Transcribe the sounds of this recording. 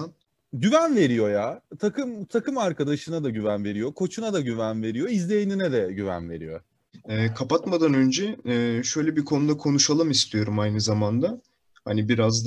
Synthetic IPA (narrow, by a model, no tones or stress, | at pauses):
an | ɟyvænve̞ɾijo̞jaːt̪ʰakʰɯmt̪ʰakɯmaɾkad̪aʃɯnad̪aɟyvænve̞ɾijo̞kʰo̞t͡ʃʰunad̪aɟyvænve̞ɾijo̞izlʲe̞jeninɛd̪ɛɟyvæ̰nve̞̰ɾḭjo̞̰ | ɛːkʰapat̪mad̪anø̞nd͡ʒɛɛːʃø̞jlʲɛbikʰo̞nud̪akʰo̞nuʃalˠɯmist̪ʰijo̞ɾumajnɯzamand̪a | ha̰nibiɾazd̪